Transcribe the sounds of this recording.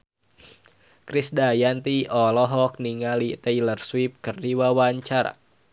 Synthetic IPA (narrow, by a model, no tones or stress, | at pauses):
kɾisdajant̪iɔlɔɦɔk̚niŋalit̪əilərswip̚kərdiwawaɲt͡ʃaɾa̰